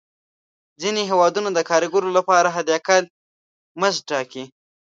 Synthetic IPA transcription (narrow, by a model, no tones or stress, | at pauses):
zineɦewɑd̪unad̪əkʰɑɾiɡoɾolapɑɾaɦad̪jakal | məzʈɑki